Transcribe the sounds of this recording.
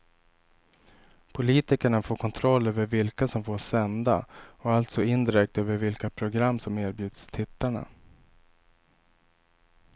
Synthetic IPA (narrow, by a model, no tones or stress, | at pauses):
pʰʊliːt̪ɪkəɳafoːɾkʰɔnt̪ʰɾɔlːøːvəɾvɪlkasɔmfoːɾsɛnd̪a̰ɔalt̪sɔɪnd̪ɪɾɛk̚t̪øːvəɾvɪlkapʰɾʊɡɾamːsɔmeːɾbjʉ̟ːd̪st̪ʰɪt̪ːaɳa̰